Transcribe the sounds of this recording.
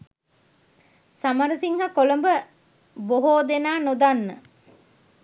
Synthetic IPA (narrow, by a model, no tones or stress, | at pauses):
sɐmɐɾɐsiŋɦakolɐmbə | boɦoːd̪enaːnod̪anːə̰